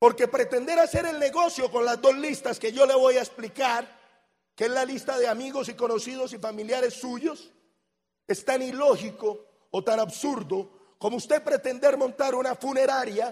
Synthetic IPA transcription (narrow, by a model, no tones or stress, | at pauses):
po̞ɾke̞pɾe̞t̪e̞nd̪e̞ɾase̞ɾe̞lne̞ɣo̞sjo̞ko̞nlazd̪o̞zlist̪aske̞ʝo̞le̞βo̞jaesplikaɾ | keenlalist̪aðe̞amiɣo̞siko̞no̞sið̞o̞sifamiljaɾe̞sːuʝo̞s | e̞st̪anilo̞xiko̞ː | t̪anaβsuɾðo̞ | ko̞moust̪e̞pɾe̞t̪e̞nd̪e̞ɾmõ̞nt̪aɾunafune̞ɾaɾja